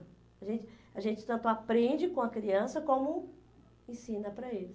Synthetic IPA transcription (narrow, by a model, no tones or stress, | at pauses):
ɐʒẽnt͡ʃɪ̥ɐʒẽt͡ʃɪ̥t̪ɐ̃nt̪ʊapɾẽd͡ʒɪkõɐkɾiɐ̃sɐkõmʊ | ẽsĩnɐpɾɐelɪs